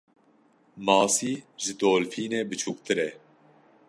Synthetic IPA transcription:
mɑːsiːʒɨd̪oːlfiːneːbɨt͡ʃʰuːk̚t̪ʰɨɾɛ

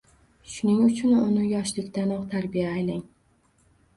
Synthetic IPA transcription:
ʃʊnɪŋʊt͡ʃʰʊnʊnɪjɒʃlɪkʲt̪anɒqt̪ʰaɾbijaːjlɪŋ

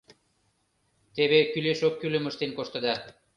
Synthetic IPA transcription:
t̪eβekyleʃokːylə̆məʃt̪enkoʃt̪ə̆d̪ɑ

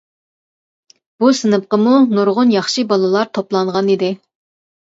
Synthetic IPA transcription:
b̥usɨnɨp̚qəmunuɾʁʊnjɑχʃibɑlˠɨlˠɑɾt̪ʰoplˠɑɴʁɑnid̪ɪ

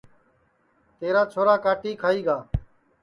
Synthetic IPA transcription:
t̪eːɾaːt͡ʃʰoːɾaːkaːʈiːkʰaːiːɡaː

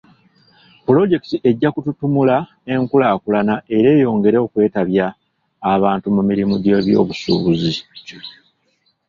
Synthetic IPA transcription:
pulo̞ɟe̞kitiʔe̞ɟːakututumula | e̞ŋkulaːkulanaʔe̞ɾe̞ːjo̞ːŋɡe̞ɾeokwe̞ːtaβjaː | βaːntumumiɾimuɟe̞βjo̞̰ːβusṵːβuzi

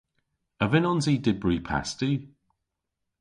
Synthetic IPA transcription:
əvɪnɔnziːdɪbɹiːpʰa̰stʉ

